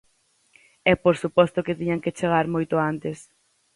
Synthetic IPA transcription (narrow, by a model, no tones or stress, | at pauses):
ɛpoɾsupɔst̪ʊkɪt̪iɲaŋket͡ʃeɣ̞aɾmojt̪ʊant̪es